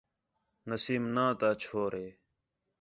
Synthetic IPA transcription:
nəsiːmnãːt̪aːt͡ʃʰoːɾeː

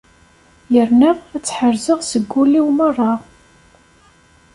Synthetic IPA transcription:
jəɾnəʁæt͡sːħəɾzəʁsəɡʷːuliwmərˤːɑ

